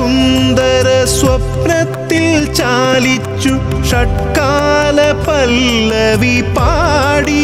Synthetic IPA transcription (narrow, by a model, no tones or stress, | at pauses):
und̪ɐɾɐsʋɐpɾɐt̪ːɪlt͡ɕaːlit͡ʃːu | ʂɐʈkaːlɐpɐlːɐʋipaːɽi